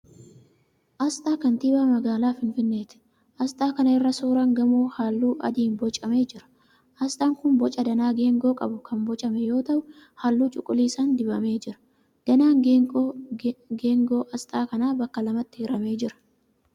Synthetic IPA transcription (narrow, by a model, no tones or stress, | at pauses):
ʔɐst̪ʼaːkɐnt̪iːbaːmɐɡaːlaːfɪnfɪnːe̞ːt̪ɛ̥ | ʔɐst̪ʼaːkɐnɐɪrːɐsuːɾɐŋɡɐmoːhaːlːuːʔɐ̰d̪iːnbɔt͡ʃʼːɐme̞ːd͡ʒɪɾɐ̥ | ʔɐst̪ʼaːŋkʊnbɔt͡ʃʼɐd̪ɐnaːɡe̞ːŋɡo̞ːkʼɐ̰bʊkɐnbɔt͡ʃʼɐmɛjo̞ːt̪ɐʔʊ | haːlːuːt͡ʃʼʊkʼːʊliːsand̪ɪbɐme̞ːd͡ʒɪɾɐ̥ | d̪̥ɐnaːŋɡ | ɡeːŋɡoːʔɐst̪ʼaːkɐnaːbɐkːɐlɐmɐt̪ːɪɪɾɐme̞ːd͡ʒɪɾɐ̥